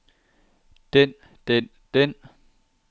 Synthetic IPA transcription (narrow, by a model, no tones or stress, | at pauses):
d̥en | d̥en | d̥en